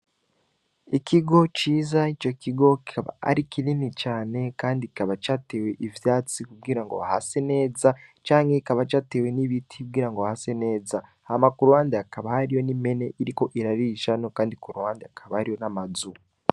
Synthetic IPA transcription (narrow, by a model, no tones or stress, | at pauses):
ikʰiɡo̞t͡ʃiːzait͡ʃo̞kʰiɡo̞ki̥kaβa̰a̰ɾikininit͡ʃaːne̞kaːndii̥kaβat͡ʃaːte̞ːwe̞ʔivjaːt͡sikubɡiɾaŋɡo̞βaha̰se̞ne̞ːzat͡ʃaːŋɡe̞ikaβat͡ʃaːte̞ːwe̞niβitʰikub̚ɡiːɾaŋɡoahase̞ne̞ːza | hamakuɾuwaːndeakaβahaɾijo̞nime̞ne̞ʔiɾiko̞ʔiɾaɾiʃano̞kaːndikuɾuwaːndeakʰaβahaɾijo̞namazu